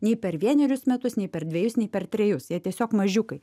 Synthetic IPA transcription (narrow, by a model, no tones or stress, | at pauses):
nʲɛɪpʲɛɾʋʲiɛnʲɛɾʲʊsmʲɛt̪ʊsnʲɛɪpʲɛɾd̪ʲʋʲɛjʊsnʲɛɪpʲɛɾt̪ʲɾʲɛjʊsjiɛt̪ʲiɛsʲoːkmɐʒʲʊkɐɪ